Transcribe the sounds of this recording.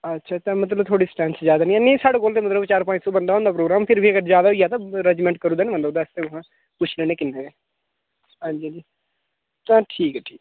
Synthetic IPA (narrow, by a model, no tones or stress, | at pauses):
ətːʃʰaːt̪ãːmət̪̬ləbt̪ʰoːɽiːsʈɛ̃ːnszjaːd̪aːnĩːɛnĩːsaːɽeːkoːlt̪eːmət̪ləbt͡ʃaːɾpãːɪ̃ʈsoːbənd̪aːõːnd̪ːpɾoːɡɾaːmpʰɪɾbʱiːəɡəɾzjaːd̪aːijaːt̪aɾɛd͡ʒmɛ̃ːɳʈ̚kəɾũːd̪aːnĩːbənd̪ːõːnast̪ẽːʊɦãː | pʊt͡ʃʰlɛ̃ːneːkɪnːeːʋeː | ɦãːɲd͡ʒid͡ʒiː | t̪ãːʈʰiːkɛːʈʰiːk